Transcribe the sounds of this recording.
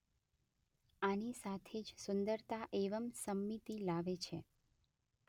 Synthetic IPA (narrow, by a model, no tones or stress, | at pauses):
anisat̪ʰed͡ʒsʊnd̪əɾt̪aʔeʋəmsəmːit̪ilaʋet͡ʃʰe